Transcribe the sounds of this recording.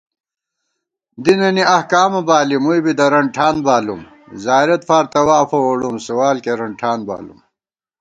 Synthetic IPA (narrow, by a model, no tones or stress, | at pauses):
d̪inɐniɐhkaːmɐbaːlimujbid̪ɐɾɐɳʈʰaːnbaːlum | zaːjɾɐt̪faːɾt̪ɐwafɐwɐɽumsuwaːlkeɾɐɳʈʰaːnba̰ːlṵm